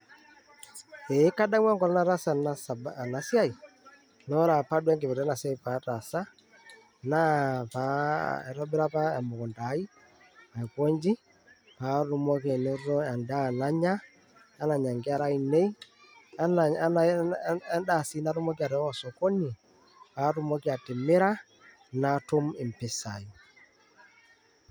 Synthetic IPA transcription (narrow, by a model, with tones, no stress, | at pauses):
e˨˦ka˦da˦ŋwa˦ŋɡɔ˨lɔ˦na˦ɾa˦sa˨asa˨bna˨sja˦i˨ | nɔ˦ɾa˨pa˦dwɛ˦ŋɡe˨βe˨ɾa˦na˨sja˦i˨pa˨˦ta˨sa˦ | na˦pa˦ɛ˨ɾɔ˦bɪ˦ɾa˦pa˦a˨mo˨kɔ˨nda˨˦i˦ | a˨e˨kwo˦ɲd͡ʒi˦ | pa˨˦ɾʊ˦mɔ˦ke˨no˦ɔ˦a˨nda˦˨na˦ɲa˦ | a˦na˨ɲa˨ŋɡɪ˦a˦ɾa˦i˨ne˦i˦ | a˦na˨˦na˦ | da˦˨si˦na˦ɾʊ˦mɔ˦k̬i˦a˨ɾɛ˨˦ɔ˨sɔ˨ko˦ni˨ | pa˨˦ɾʊ˦mɔ˦ki˦a˨tɪ˨mɪ˦ɾa˦ | na˨tʊ˦mɪ˨m̩pɪ˨sa˨i˨